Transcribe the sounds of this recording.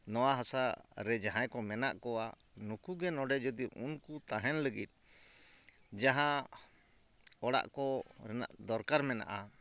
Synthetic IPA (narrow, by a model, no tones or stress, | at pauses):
nɔwaɦɔsaɾɛd͡ʒaɦãjkɔmɛna̰ʔkɔwa | nukuɡɛnɔɖɛd͡ʒɔd̪iɔʔunkut̪aɦɛnləɡit̪̚ˀ | d͡ʒaɦã | ɔɽa̰ʔkɔɾɛna̰ʔd̪ɔɾkaɾmɛna̰ʔa